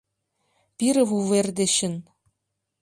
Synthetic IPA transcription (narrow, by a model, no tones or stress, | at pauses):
pʲiɾɘ̆vuʋerʲd̪ʲĕɕɘ̆n